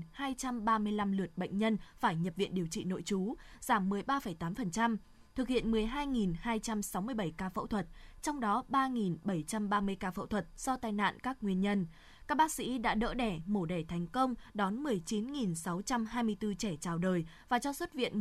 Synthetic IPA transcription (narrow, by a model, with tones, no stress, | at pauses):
haː˧jt͡ɕa˧mɓaː˧mɨ˧əjla˧mlɨ˨˩ət̚ɓə̰˧˨ŋ̟ɲə˧nfaː˧˩jɲə˨˩p̚vḭ˧˨ənɗi˨˩əwt͡ɕḭ˧˨no̰˧˨jt͡ɕu˨˦z̥aː˧˩mːɨ˨˩əjɓaː˧fə˧˩jt̪aː˨˦mfə˨˩nt͡ɕa˧m | t̪ʰɨ˨˩k̚hḭ˧˨ənmɨ˨˩əjɦaː˧jŋi˨˩nhaː˧jt͡ɕa˧msa˨˦wmɨ˧əjɓə˧˩jkaː˧fə̰˧˥wt̪ʰwə˨˩t̚t͡ɕɔ˧wŋ͡mɗɔ˨˦ɓaː˧ŋi˨˩nɓə˧˩jt͡ɕa˧mɓaː˧mɨ˧əjkaː˧fə̰˧˥wt̪ʰwə˨˩t̚z̥ɔ˧t̪aː˧jna̰ː˧˨nkaː˦˥k̚ŋwi˧ənɲə˧n | kaː˦˥k̚ɓaː˦˥k̚sḭ˧˥ɗa̰ː˧˥ɗə̰ː˧˥ɗɛ˧˩mo˧˩ɗɛ˧˩t̪ʰɛ˨˩jŋ̟kə˧wŋ͡mɗɔ˨˦nmɨ˨˩əjt͡ɕi˨˦nŋi˨˩nsa˨˦wt͡ɕa˧mhaː˧jmɨ˧əjt̪ɨ˧t͡ɕɛ˧˩t͡ɕaː˨˩wɗəː˨˩j | vaː˨˩t͡ɕɔ˧swə˦˥t̚vḭ˧˨ən